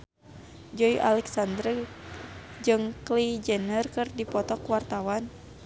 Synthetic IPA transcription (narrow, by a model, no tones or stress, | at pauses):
d͡ʒɔiʔa̰lɛksand̪ɾə | d͡ʒɨŋklid͡ʒɛnərkɨrdipɔt̪ɔkwart̪awan